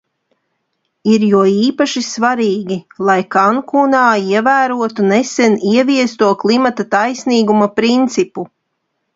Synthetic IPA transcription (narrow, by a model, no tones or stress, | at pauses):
iɾjuɔiːpaʃisvaɾiːɡʲilˠajkaŋkunaːiɛvæːɾuɔt̪unesɛniɛviɛst̪uɔklˠimat̪at̪ajsniːɡumapɾint̪sipu